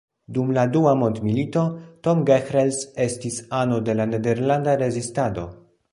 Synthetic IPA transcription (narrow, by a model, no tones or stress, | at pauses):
dumladuamo̞ntmilito̞to̞mɡexɾelse̞stisano̞de̞lane̞de̞ɾlandaɾe̞zistado̞̰